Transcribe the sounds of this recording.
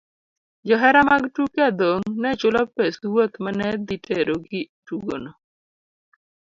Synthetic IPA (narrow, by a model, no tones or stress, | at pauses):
d͡ʒɔɦɛɾamaɡtukad̪oŋnɛt͡ʃʊlɔpeswot̪manɛd̪iteɾoɡɪ | tuɡo̰nɔ